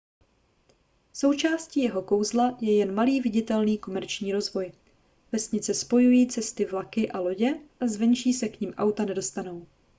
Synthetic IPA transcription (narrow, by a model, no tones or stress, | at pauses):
so̞wt͡ʃaːsciːjɛɦo̞ko̞wzlajɛjɛnmaliːvɪɟɪt̪ɛlniːko̞mɛɾt͡ʃɲiːɾo̞zvo̞j | vɛsɲɪt͡sɛspo̞jujiːt͡sɛst̪ɪvlakɪʔalo̞ɟɛʔazvɛnʃiːsɛkɲimʔawt̪anɛdo̞st̪ano̞w